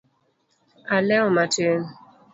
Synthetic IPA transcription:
alɛʊmaten

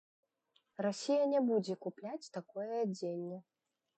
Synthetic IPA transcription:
rasʲijɐnʲɛbud͡zʲɛkuplʲat͡sʲt̪akɔjɛd͡zʲenʲːɛ

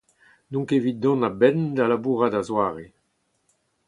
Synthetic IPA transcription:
nɔ̃ŋkevit̪̚d̪ɔ̃nabɛnd̪alabuːʁad̪azwaːʁe

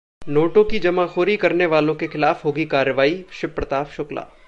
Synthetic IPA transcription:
noːʈõkid͡ʒɐmaːxoːɾikɐɾneʋaːlõkexɪlaːfɦoːɡikaːɾjəʋaːiʃɪpɾɐt̪aːfʃʊkla̰ː

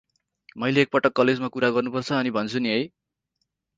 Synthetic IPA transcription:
mʌjleːk̚pʌʈʌkːʌled͡zmakuɾaɡʌrnupʌrt͡sʰʌːnibʱʌnt͡sʰuniɦʌj

